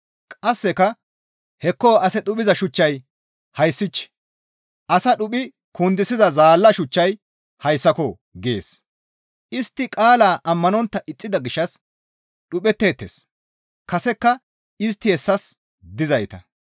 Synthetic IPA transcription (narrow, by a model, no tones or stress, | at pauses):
kʼɐsːɛkɐ | hɛkːɔɐsɛɗʊpɪzɐʃʊt͡ʃːɐj | hɐjsːɪt͡ʃː | ʔɐsɐɗʊpʼɪ | kʊnd̪ɪsɪzɐzaːlːɐʃʊt͡ʃːɐj | hɐjsːɐkɔ | ɡḛːs | ʔɪst̪ːɪkʼaːlaːʔɐmːɐnɔnt̪ːɐʔɪt͡sʼːɪd̪ɐɡɪʃːɐs | ɗʊpɛt̪ːe̞ːt̪ːḛːs | kɐsɛkːɐ | ɪs̬t̪ːɪhɛsːɐs | d̪ɪzɐjt̪ɐ̰